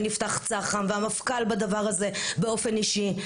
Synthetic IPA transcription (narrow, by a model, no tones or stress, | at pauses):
nift̪aχt͡saχanveamafkalbad̪avaʁaze̞be̞o̞fe̞niʃi